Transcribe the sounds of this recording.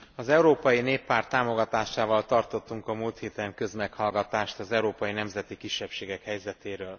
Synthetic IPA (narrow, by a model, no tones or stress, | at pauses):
ɒzɛuɾoːpɒjineːpːaːrt̪ːaːmo̞ɡɒt̪aːʃaːvɒlt̪ɒrt̪o̞t̪ːuŋkɒmult̪heːt̪ɛŋkø̞zmɛkhɒlɡɒt̪aːʃt̪ɒzɛuɾoːpɒjinɛmzɛt̪ikiʃːɛpʃeːɡɛkhɛjzɛt̪eːɾøːl